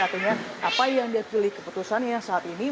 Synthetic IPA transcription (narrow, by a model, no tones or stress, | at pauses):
art̪iɲaʔapajaŋdiapilɪhkə̥put̪usanjasaːt̪ini